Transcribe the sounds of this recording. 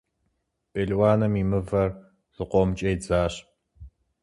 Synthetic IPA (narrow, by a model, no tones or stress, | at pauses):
pʼeɮwaːnɐmimɨvɐr | z̥ɨqʷɔmt͡ʃʼejd͡zaːɕ